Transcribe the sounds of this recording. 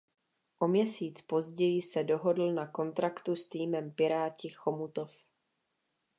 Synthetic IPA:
ʔo̞mɲɛsiːt͡spo̞zɟɛjɪsɛdoɦo̞dl̩nako̞nt̪ɾakt̪ust̪iːmɛmpɪɾaːcɪxomut̪of

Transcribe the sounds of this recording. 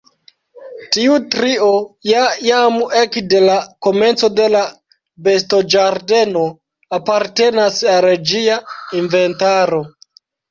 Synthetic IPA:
tiutɾio̞jajamekde̞lako̞me̞nt͡so̞de̞la | be̞sto̞d͡ʒaɾde̞no̞ | apaɾte̞nasalɾed͡ʒiainve̞ntaɾo̞

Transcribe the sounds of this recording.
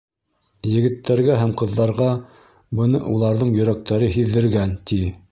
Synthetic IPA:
jɘ̆ɡɘ̆t̪ʰːæɾɡæɦæmqɤ̆ðːɑɾʁɑ | bɤ̆nɤ̰ʔulˠɑɾðɤɴjɵ̆ɾæk̚t̪æɾɘɦiðːɘ̆ɾɡænt̪i

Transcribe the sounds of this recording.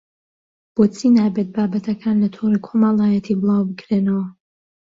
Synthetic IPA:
b̥oːt͡sʰinaːbet̪̚baːbɐt̪ʰɐkʰaːnlɐt̪ʰorikʰomɐlˠaːjɛt̪ʰiːbɨlˠɑːwbɨɡɾeːnɐwɐ

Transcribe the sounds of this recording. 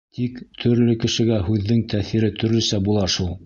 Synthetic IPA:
t̪ʰikt̪ʰɵ̆ɾlɘkɘ̆ʃɘ̆ɡæhʉðːɘŋt̪ʰæθiɾɘt̪ʰɵ̆ɾlɵ̆sæbulˠɑʃulˠ

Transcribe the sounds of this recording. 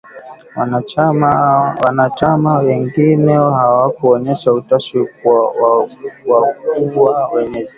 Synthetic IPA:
a | wanat͡ʃamawɛŋɡinɛhawakuɔɲɛʃautaʃikw | wakuwawɛɲɛʄi

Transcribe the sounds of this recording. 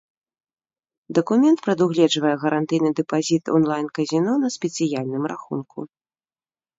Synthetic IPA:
d̪ɐkumʲɛnt̪pɾɐd̪uɣlʲɛd͡ʐvɐjɛɣɐɾʔant̪ɨjnɨd̪ɛpazʲit̪ɔ̰nlˠajnkɐzʲinɔnɐsʲpʲɛt̪sɨjalʲnɨmraxunkʰṵ

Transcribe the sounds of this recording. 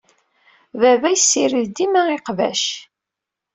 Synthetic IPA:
vævæjsːiɾiðd̪imæiqvæ̰ʃ

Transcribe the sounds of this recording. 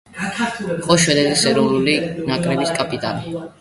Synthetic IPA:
iqʼɔʃwɛd̪ɛd̪isɛɾɔvnulinakʼɾɛbiskʼapʼit̪ʼali

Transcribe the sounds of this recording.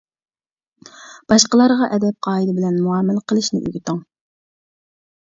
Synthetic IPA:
b̥ɑʃqəlˠɑɾʁɑʔɛd̪ɛp̚qʰɑːid̪ɪbɪlɛnmuɑmːɪlqʰəlˠɨʃnɪ̰ʔy̰ɡʲit̪əŋ

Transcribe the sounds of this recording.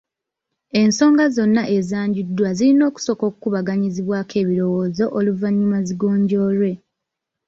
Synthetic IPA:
e̞nso̞ːŋɡazo̞nːaʔe̞zaːɲɟidːwazilino̞ːku̥so̞ko̞ːkukuβaɡaɲiziβwaːkʰe̞ːβiɾo̞wo̞ːzo̞ʔoluvaɲːumaziɡoːɲɟo̞ːɾwe̞

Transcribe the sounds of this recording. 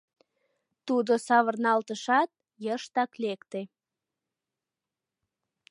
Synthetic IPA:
t̪ud̪osɑβərnɑlt̪əʃɑt̪̚ | jəʃt̪ɑklekt̪e

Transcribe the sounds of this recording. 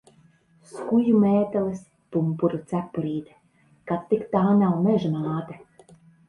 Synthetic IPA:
skujumeːt̪ɛlˠis | pumpuɾut̪sæpːuɾiːd̪ɛ̥ | kat̪ːikt̪aːnawmɛʒmaːt̪ɛ

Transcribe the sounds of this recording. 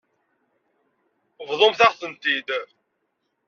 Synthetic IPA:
vðˤomθaʁθənt̪id̪

